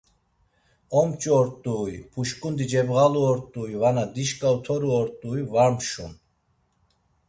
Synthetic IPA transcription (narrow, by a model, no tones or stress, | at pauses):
ɔmt͡ʃʼɔɾt̪ʼuːjpʰuʃkʼund̪id͡ʒɛbɣaluɔɾt̪ʼuːjvanad̪iʃkʼaut̪ʰɔɾuɔɾt̪ʼuːjvaɾmʃɔ̰n